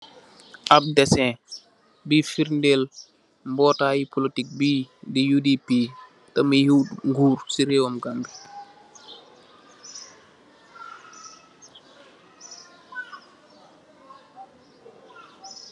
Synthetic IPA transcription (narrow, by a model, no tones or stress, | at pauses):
ʔab̚dɛsɛ̃ | bifiɾndel | mbɔːtajipʰolitik̚bidijudipi | tɛmijutŋɡuːɾsiɾewɔmɡambi